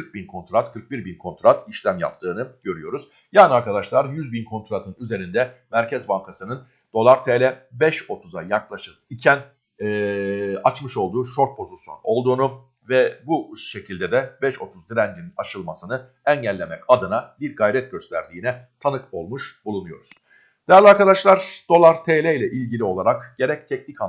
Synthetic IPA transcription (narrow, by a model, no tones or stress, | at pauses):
kʰɯɾk̚binkʰo̞nt̪ɾat̪kʰɯɾk̚biɾbinkʰo̞nt̪ɾat̪ʰiʃlʲæmja̰pt̪ʰɯːnɯɟ̥ø̞ɾyjo̞ɾuz̥ | jaːniaɾkʰad̪aʃlˠaɾjyzbinkʰo̞nt̪ɾat̪ʰɯnyze̞ɾind̪ɛmæɾcʰɛzbaŋkʰasɯnɯn | d̪̥o̞lˠaɾt̪ʰelʲɛbɛʃo̞t̪ʰuzajaklˠaʃɯkicʰænː | at͡ʃmɯʃo̞lˠd̪uːʃo̞ɾt̪̚pʰo̞zuso̰no̞lˠd̪uːnu | vɛbuʃe̞cʰilʲd̪ɛd̪ɛbɛʃo̞t̪ʰuzd̪iɾænd͡ʒ̪ininaʃɯlˠmasɯnɯ | ɛnɟælʲːe̞mɛcad̪ɯnabiɾɡajɾɛt̪̚ɟø̞st̪ʰæ̰ɾd̪iːnɛt̪ʰanɯko̞lˠmuʃb̥ulˠunujo̞̰ɾuz̥ | d̪̥ejæɾlʲiaɾkad̪aʃlˠaɾ̥d̪̥o̞lˠaɾt̪ʰeːlʲɛjlʲɛʔilʲɟilʲio̞lˠaɾakɟ̥e̞ɾɛc̚t̪ʰɛcnicʰa